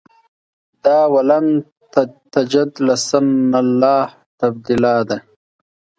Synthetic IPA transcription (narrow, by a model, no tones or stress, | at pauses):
d̪ɑːwalan | t̪t̪ad͡ʒad̪lasanalːɑːh | t̪ab̚d̪ilɑːd̪a